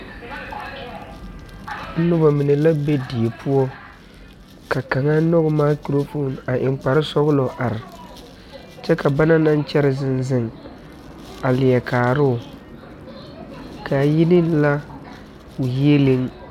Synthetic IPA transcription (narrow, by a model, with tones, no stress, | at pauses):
n̩˦nʊ˦ba˨mɪ˨nɪ˨la˦be˦di˨e˨pʰu˦ɔ˦ | ka˨ka˨ŋa˦nɔ˦ɣʊ˨maː˦ki˦ɾo˦fo˦˨na˨ʔɪ˨ŋ͡mk͡pa˨ɾɪ˦sɔ˦ɣʊ˦lɔ˨ʔa˨ɾɪ˨ | t͡ʃɛ˦ka˨ba˦na˦na˦n˦t͡ʃɛ˦ɾɪ˨zɪ˦nzɪ˦ŋ | a˨lɪ˨jɛ˨kʰaː˨ɾʊ˦˨ | ka˨jɪ˦nɪ˦la˦ | ʊ˨je˦lɪ˦ŋ